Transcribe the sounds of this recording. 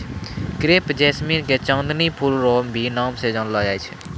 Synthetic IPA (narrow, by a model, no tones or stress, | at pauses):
kɾeːpd͡ʒɛːsminket͡ʃɔ̃ːnd̪nipʰulɾoːmbʱinaːmsed͡ʒãːnlaɡaːet͡ʃʰɛ̥